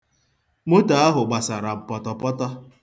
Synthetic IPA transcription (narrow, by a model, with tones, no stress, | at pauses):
mo˦ta˨a˦ɦʊ˨ɡ͡ba˨sa˨ɾa˨m̩˨pɔ˨tɔ˨pɔ˦tɔ˦